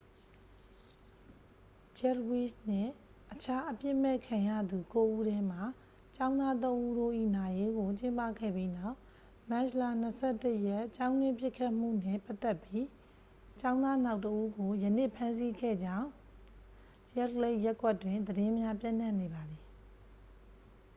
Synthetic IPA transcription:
t͡ɕɛ˦wi˦˨sn̥ɪ̰̃˦˨ | ʔət͡ɕʰa˦ʔəpjɪ˦ʔmɛ˦˨kʰã˨jä̰˦˨d̪u˨ko˦ʔu˦ɾɛ˦m̥a˨ | t͡ɕã˦ʊ̃nd̪a˦t̪̬õ˦ʊ̃ʔu˦ɾo˦˨ʔḭ˦˨na˨je˦ɡo˨t͡ɕɪ̃˦mpä̰˦˨ɡɛ̰˦˨pji˦na˦˨ʊ | mɛ̃˦ɕla˦˨n̥əsʰɛ˦˨tə˦jɛ˦˨ʔt͡ɕã˦ʊ̃nwɪ̃˦pjɪ˦˨kʰːa˦ʔm̥ṵ˦˨nɪ̰̃˦˨pa˦t̪ːɛ˦˨pji˦ | t͡ɕã˦ʊ̃nd̪a˦na˦ʊtəʔu˦ɡo˨jənḛ˦˨pʰã˦ns̬i˦ɡɛ̰˦˨d͡ʑã˦˨ʊ̃ | jɛ˦tle˦ɪʔjɛ˦kwɛ˦tːwɪ̃˨nd̪əɾɪ̃˦mja˦pjã̰˦˨n̥ã˦˨ne˨ba˨d̪ði˨

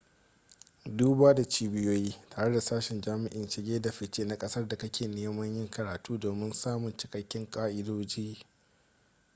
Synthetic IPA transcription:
duː˦baː˦da˨t͡ʃiː˦bɪ˦joː˦jiː˦taː˨ɽe˦da˨saː˦ʃɪ˨nd͡ʒaː˦mɪ˨ʔɪ˨nt͡ʃɪ˨ɡʲeː˦da˨ɸɪ˨t͡ʃeː˦na˨kʼɐ˦sɐ˦rda˨kɐ˦kʲʰeː˨neː˦mɐ˦ɲjɪ˦ŋkʰɐ˨ɾaː˨tuː˦doː˨mɪ˦nsaː˦mʊ˨nt͡ʃɪ̥˨kɐ˦kʲːɪ˦ŋkʼaː˦ʔɪ˦doː˦d͡ʒiː˦

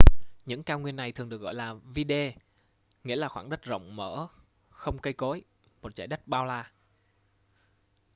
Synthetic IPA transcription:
ɲɨ̰˧˥ŋkaː˧ŋwi˧ənːa˨˩jt̪ʰɨ˨˩əŋɗɨ˨˩ək̚ɣɔ̰˧˨jlaː˨˩vi˧ɗe˧ | ŋḭ˧˥laː˨˩xwaː˧˩ŋɗə˦˥t̚zə̰˧˨wŋ͡mməː˧˥ | xə˧wŋ͡mkə˧jko˨˦j | mo˨˩t̚t͡ɕaː˧˩jɗə˦˥k̚ɓaː˧wlaː˧

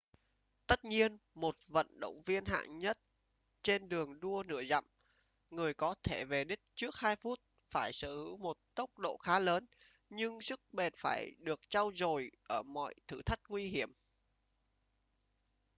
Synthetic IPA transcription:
t̪ə˦˥t̚ɲi˧ənmo˨˩t̚və̰˧˨nɗə̰˧˨wŋ͡mvi˧ənɦa̰ː˧˨ŋɲə˦˥t̚ | t͡ɕe˧nɗɨ˨˩əŋɗu˧ənɨ̰˧˩əza̰˧˨m | ŋɨ˨˩əjkɔ˨˦t̪ʰe˧˩ve˨˩ɗï˦˥k̚t͡ɕɨ˦˥ək̚haː˧jfu˦˥t̚ | faː˧˩jsɨ˧˩hɨ˨˧˦wmo˨˩t̚t̪ə˦˥wk͡p̚ɗo̰˧˨xaː˨˦ləː˨˦n | ɲɨ˧ŋsɨ˦˥k̚ɓe˨˩nfaː˧˩jɗɨ˨˩ək̚t͡ɕa˧wzo˨˩jʔəː˧˩mɔ̰˧˨jt̪ʰɨ˧˩t̪ʰə˦˥k̚ŋwi˧ɦi˧˩əm

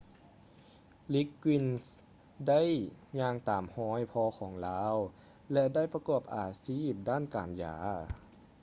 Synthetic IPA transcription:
li˦˥kːwi˧˥ns | da˥˩˨jɲaː˧ŋt̪aː˨˩mhɔː˧˥˩jpʰɔː˧xʰɔː˩˦ŋlaː˦˥w | lɛ˧ʔda˥˩jpa˧kɔː˨˩p̚ʔaː˨˩siː˥˩p̚daː˥˩˨nkaː˨˩nja̰ː˩˦

